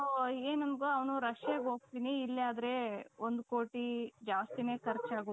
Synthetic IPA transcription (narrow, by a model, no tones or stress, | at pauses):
eːnɐmɡoɐʋnuɾɐʂjeːɡɦo̞ːɡ̚t̪iːniːlːaːd̪ɾe̞ond̪koːʈid͡ʒaːst̪ine̞ːkʰɐɾt͡ʃaːɡo